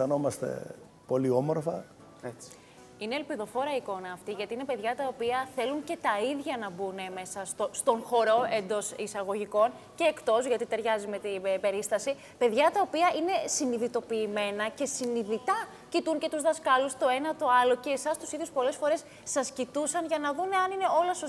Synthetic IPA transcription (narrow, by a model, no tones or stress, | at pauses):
ɐno̞mɐst̪e̞̰ | po̞lio̞moɾfɐ | et͡s | ine̞ːlpiðofo̞ɾɐiko̞nɐːft̪iʝɐt̪iinepe̞ðʝɐt̪ɐopiɐθe̞luɲce̞t̪ɐiðʝɐnɐbuneme̞sɐst̪ost̪o̞nxo̞ɾo̞e̞nd̪o̞sisɐɣo̞ʝiko̞n | ce̞ːkt̪o̞zʝɐt̪it̪e̞ɾʝɐzimet̪iebe̞ɾist̪ɐsi | pe̞ðʝɐt̪ɐopiɐʔine̞siniðit̪o̞piːme̞nɐce̞siniðit̪ɐ | cit̪uŋcet̪uzðɐskɐlust̪o̞e̞nɐt̪o̞ɐlo̞ce̞ːsɐst̪u̥siðʝuspo̞le̞sfo̞ɾe̞sːɐscit̪usɐnʝɐnɐðuneɐnine̞o̞lɐsos